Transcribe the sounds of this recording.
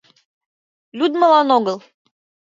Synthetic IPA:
lʲud̪mɤ̆lˠɑnoɣɤlˠ

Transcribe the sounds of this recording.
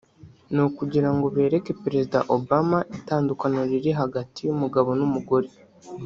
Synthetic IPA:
nukuɟiɾaŋɡo̞βe̞ːɾe̞ke̞peɾezida̰ʔobamaʔitaːndukanoɾiɾiɦaɡatijumuɡaβo̞numuɡoɾe

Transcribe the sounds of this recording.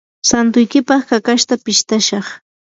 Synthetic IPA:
sant̪ʊjkɪpɑχkakaʃt̪apɪʃt̪aʃɑχ

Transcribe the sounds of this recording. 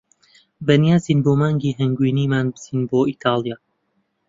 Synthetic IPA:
bɐnijaːziːnboːmaːŋɡiːɦɛŋɡwiːniːmaːnbɨz̥iːnboːiːt̪ʰaːlˠijaː

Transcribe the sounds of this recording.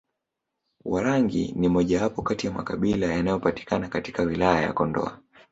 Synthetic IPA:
waɾaŋɡḭnimɔʄawapɔkatijama̰kaɓilajanajɔpati̥kanakati̥kawilajaja̰kɔndɔ̰a̰

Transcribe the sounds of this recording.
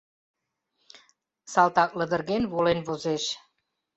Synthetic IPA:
sɑlˠt̪ɑk̚lə̆d̪ə̆rɣenβolenβozeʃ

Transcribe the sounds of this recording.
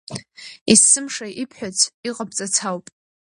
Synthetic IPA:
isɨmʂajʔipʰħʷᶣat͡sʷʰiqʼap̚ʼt͡sʼat͡sʰawpʼ

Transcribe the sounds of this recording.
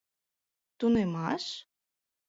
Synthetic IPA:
t̪unemɑʃ

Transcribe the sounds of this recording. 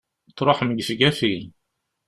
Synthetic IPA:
t͡sːɾˤoħməɡθɡæfi

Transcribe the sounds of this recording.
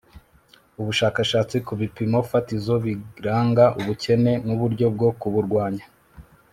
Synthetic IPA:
uβuʃaːkaʃaːt͡sikuβipimofatizo̞βiɾaːŋɡaʔuβuce̞ne̞nuβuɾɟo̞b̚ɡo̞kuβuɾɡwaːɲḁ

